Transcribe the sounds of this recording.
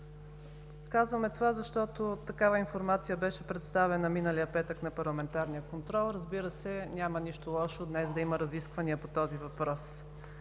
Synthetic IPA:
kazvɐmɛt̪ovazɐʃt̪ɔt̪ot̪ɐkavɐinfoɾmat̪sijəbɛʃɛpɾɛt̪st̪avɛnɐminəlijəpɛt̪əknɐpɐɾlˠɐmɛnt̪aɾnijəkont̪ɾɔlˠɾəzbiɾəsɛnʲamɐniʃt̪olˠɔʃod̪nɛsd̪ɐiməɾɐziskvɐniəpot̪ɔzivɐpɾɔs

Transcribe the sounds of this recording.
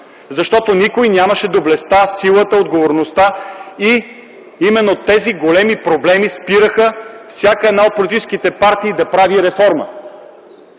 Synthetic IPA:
zɐʃt̪ɔt̪onikojnʲaməʃɛd̪oblɛst̪asilˠət̪əod̪ɡovoɾnost̪ai | imɛnːot̪ɛziɡolɛmipɾoblɛmispiɾəxəfsʲjakəɛd̪naot̪̚polit̪it͡ʃɛsk̟it̪ɛpaɾt̪iːd̪ɐpɾaviɾɛfɔɾmə̰

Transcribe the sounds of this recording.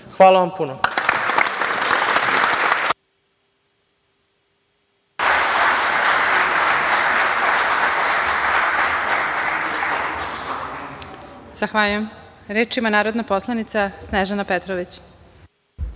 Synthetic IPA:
xʋaːlˠaʋampuno | z̥axʋaʎujem | ɾeːʈ͡ʂimanaːɾod̪naposlˠanit̪sasneʒanapet̪ɾoʋit͡ɕ

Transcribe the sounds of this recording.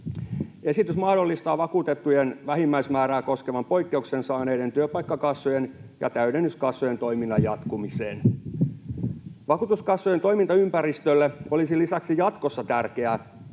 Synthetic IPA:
e̞sit̪ysmɑhdo̞lːist̪ɑːʋɑkuːt̪et̪ːujenʋæɦimːæismæːɾæːko̞skeʋɑmpo̞ikːe̞uksensɑːneident̪yøpɑikːɑkɑsːojenjɑ̰t̪æyɾenːyskɑsːojent̪oiminːɑjɑt̪kumisḛːn | ʋɑkuːt̪uskɑsːojent̪oimint̪ɑympæɾist̪ølːeo̞lisilisæksijɑt̪kosːɑt̪ærkeæ

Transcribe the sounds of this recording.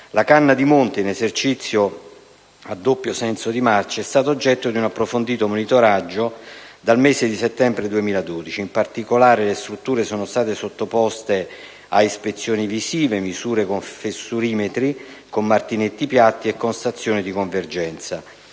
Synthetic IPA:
lakanːad̪imont̪einezert͡ʃit̪sːjo | ad̪ːopːjosɛnsod̪imart͡ʃaɛst̪aːt̪oːd͡ʒːɛt̪ːod̪iunapːɾofond̪iːt̪omonit̪oɾad͡ʒːod̪almeːzed̪iset̪ːɛmbɾed̪uemiːlad̪oːd̪it͡ʃiːmpart̪ikolaːɾelest̪ɾut̪ːuːɾesoːnost̪aːt̪esot̪ːopɔst̪e | aispet̪sːjoːnivisiːvemizuːɾekoɱfesuɾiːmet̪ɾikomːart̪inet̪ːipjat̪ːiɛkːonst̪at̪sːjoːnid̪ikoɱverd͡ʒɛnt̪sa

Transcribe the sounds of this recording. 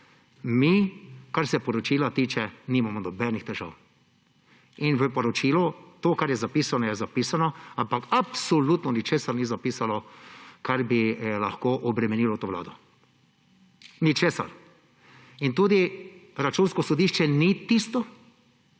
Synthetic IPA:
mikaɾsɛpɔɾɔt͡ʃiːlat̪iːt͡ʃɛniːmamɔnɔbɛnixt̪ɛʒa̰w | inʋəpɔɾɔt͡ʃiːlɔt̪oːkaɾjɛzapiːsanɔjɛzapisanɔampakapsɔlut̪nɔnit͡ʃeːsaɾnizapiːsanɔkaɾbilaxkoːʔɔbɾɛmɛniːlɔt̪oːʋla̰ːd̪ɔ | nit͡ʃeːsa̰ɾ | int̪uːd̪iɾat͡ʃunskɔsɔd̪iʃt͡ʃɛnit̪ist̪ɔ

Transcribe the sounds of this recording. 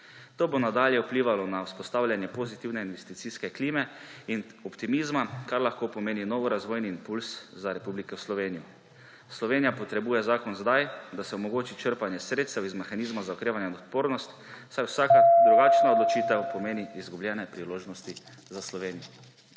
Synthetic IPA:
t̪oːbonad̪aːljɛupliːʋalɔnawspɔst̪aːwlʲjanjɛpozit̪iwnɛinʋɛst̪it̪siskɛkliːmɛinɔpt̪imizmakaɾlaxkoːpɔmeːninoːʋɔɾazʋoːjniːmpulszaɾɛpublikɛwslɔʋeːniju | slɔʋeːnijapɔt̪ɾɛbuːjɛzaːkɔnzd̪ajd̪asɛɔmɔɡoːt͡ʃit͡ʃəɾpanjɛsɾeːt̪st̪ɛwizmɛxanizmazaokɾeːʋanjɛd̪ɔt̪poːɾnɔst̪ | sajwsakad̪ɾuɡaːt͡ʃnaɔd̪lɔt͡ʃiːt̪ɛwpɔmeːniːzɡubljɛːnɛpɾiloːʒnɔst̪i | zaslɔʋeːnijɔ

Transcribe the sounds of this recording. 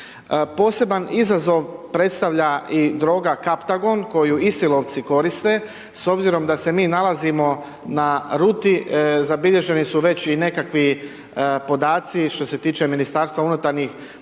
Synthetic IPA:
po̞ːse̞banizazo̞ʋpɾe̞t̪st̪aʋʎaid̪ɾo̞ːɡakapt̪aɡo̞nko̞juisilo̞ʋt̪siko̞ɾist̪e̞ | so̞bziɾo̞md̪ase̞miːnalazimo̞ | naɾuːt̪izabiʎe̞ʒe̞nisuʋe̞t͡ɕine̞kakʋi | po̞d̪aːt̪siʃt̪o̞se̞t̪iːt͡ʃe̞minist̪aːɾst̪ʋaunut̪aɾɲix

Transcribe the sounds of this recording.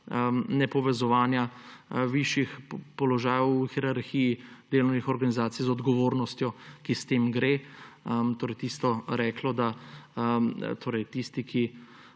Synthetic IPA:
ənɛpɔʋɛzɔʋaːnjaʋiʃjixpɔlɔʒaːjɛwxiɾaɾxijid̪̥eːlɔʊwnixɔɾɡanizaːt̪ijzɔd̪ɡɔʋoːɾnɔst̪jɔkist̪eːmɡɾeː | t̪oːɾɛjt̪iːst̪ɔɾɛːklɔd̪a | t̪ʰoːɾɛjt̪ist̪ikʰi

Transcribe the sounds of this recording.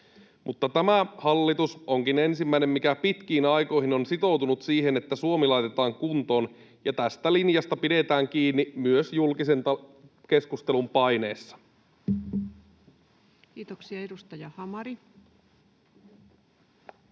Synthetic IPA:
mʔut̪ːɑt̪æmæhɑlːit̪usoŋkine̞nsimːæine̞mmikæpit̪k̟iːnɑjko̞jɦino̞nsit̪o̞wt̪unut̪siːɦe̞net̪ːæsuomilɑjt̪et̪ɑːŋkunt̪o̞ːn | jɑt̪æst̪ælinjɑst̪ɑpide̞t̪æːŋkiːnːimyøsjulkisent̪ɑ | ke̞skust̪elumpɑjne̞ːsːɑ̥ | kiːt̪oksiɑedust̪ɑjɑhɑmɑɾi

